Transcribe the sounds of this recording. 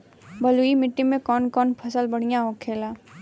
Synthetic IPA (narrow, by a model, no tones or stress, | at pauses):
bɐluimɪʈːimẽkɔːnkɔːnpʰɐsəlbɐɽ̤ijãoːkʰeːlaː